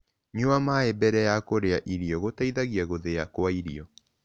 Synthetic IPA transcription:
ɲuamaebɛɾɛjakoɾeaʔiɾiɔɣotaiðaɣiaɣoðeakwaiɾiɔ

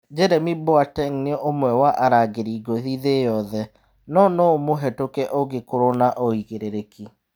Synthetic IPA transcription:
d͡ʒɛɾɛmiboatɛŋneɔʔomwɛwaʔaɾaɡeɾiːɡoðiðejɔðɛ | nɔnomoɦɛtokɛʔoɡekoɾonaʔoiɣeɾeɾeki

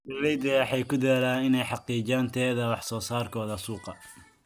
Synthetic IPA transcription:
dɐrɛjd̪ɛħɑjkʰʊd̪ɛːlaːnɪnɛjħɑqiːt͡ʃaːnt̪ʰɛːðɐwɑħsɔːsaːrkʰɔːðɐsuːqɑ

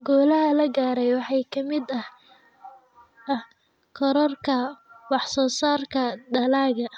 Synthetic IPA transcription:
ɡɔːlɐɦɐlɐɡaːɾɛjwɑħɑjkʰɐmɪd̪ɐh | ɐh | kʰɔɾɐrkʰɐwɑħsɔːsaːrkʰɐdɐlaːɣɐ

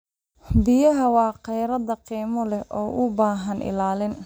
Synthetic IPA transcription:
bɪjɐɦɐwɑːqɛjɾɐd̪ɐqiːmɔlɛʔɔːʔʊbaːɦɐnʔɪ̰laːlɪn

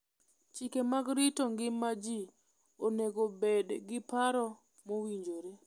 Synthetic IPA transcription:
t͡ʃikemaɡɾitoŋɡɪmːad͡ʒi | oneɡobedɡɪpaɾɔ | mowiɲd͡ʒoɾe

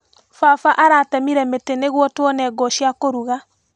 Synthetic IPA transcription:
fafaʔaɾaːtɛmiɾɛmeteneɣwɔtwɔnɛɡɔɕjakoɾuɣa

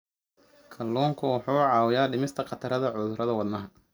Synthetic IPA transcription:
kʰɐlːuːŋkʰʊwɑħuːʕɑːwɪjaːɖɪmɪst̪ʰɐqɑt̪ʰɐɾɐðɐʕʊðʊɾɐðɐwɑd̪nɐɦɐ

